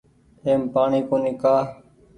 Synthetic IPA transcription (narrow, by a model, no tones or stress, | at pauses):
eːmpaːɳiːkoːnɪkaː